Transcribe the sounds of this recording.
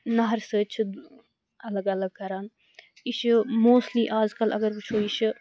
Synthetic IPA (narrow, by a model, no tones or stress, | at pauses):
naɦɐɾsəːt͡ʃ̪ʰ | ɐləɡɐləɡ̚kɐɾaːn | ɪʃmoːstliːʔaːd͡ʒkɐlʔɐ̰ɡəɾbɐt͡ʃʰoːiʃ